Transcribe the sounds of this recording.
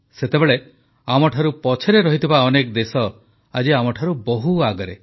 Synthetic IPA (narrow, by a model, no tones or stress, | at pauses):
set̪ebeɭe | amɔʈʰaɾupɔt͡ʃʰeɾeɾɔɦit̪ʰibaɔnekɔd̪esɔ | ad͡ʒiamɔʈʰaɾubɔɦuaɡɔɾe